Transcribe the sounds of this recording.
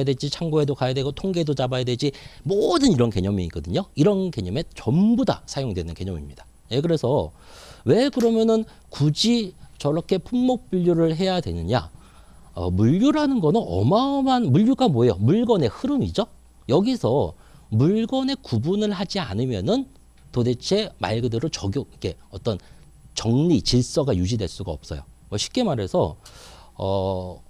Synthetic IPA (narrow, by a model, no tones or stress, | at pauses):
jadwed͡ʑit͡ɕʰaŋɡoedokajadwe̞ɡotʰoŋɡeedot͡ɕabajadwed͡ʑimodɯniɾʌnke̞̰ɲʌmiːɡ͈ʌdɯɲoiɾʌnke̞ɲʌme̞t͡ɕʌmbuda̰sʰajoŋdwenɯnke̞̰ɲʌmḭmɲid̥ḁ | ekɯɾe̞sʰʌwe̞kɯɾʌmjʌnɯn | kud͡ʑit͡ɕʌɾʌkʰe̞pʰumːʌk̚p͈iʎːuɾɯɭɦe̞jadwe̞̰nɯɲa̰ | ʌ̰muʎːuɾɦanɯnɡʌnɯnʌ̰mamanmuʎːuɡamoejomuɭɡʌne̞hɯɾɯmid͡ʑo | jʌɡisʰʌ | muɭɡʌne̞kubunɯɭhad͡ʑia̰nɯmjʌnɯn | tode̞t͡ɕʰe̞ma̰ɭɡɯdɯɾɯt͡ɕʌɡjoikʰe̞ʌt͈ʌn | t͡ɕʌŋɲit͡ɕiɭs͈ʌɡajud͡ʑidwe̞̰ɭs͈uɡaʌp̚s͈ʌjo̰ | wʌɕʰi̥p̚k͈e̞maɾɦe̞sʰʌ̰